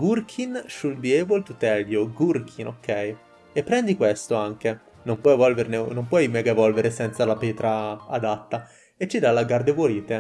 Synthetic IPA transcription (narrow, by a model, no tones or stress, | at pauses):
ɡurkʰinʃulb̪iɛvolt̪ut̪ɛʎjoɡurk̟ʰinokʰːɛj | epːɾɛnd̪ikwest̪oaŋk̟e | nompwɔjvɔlveɾnenompwɔjmɛɡaevɔlveɾesɛnt̪salapeːt̪ɾaːd̪at̪ːa | et͡ʃːid̪alːaɡard̪evwoɾiːt̪e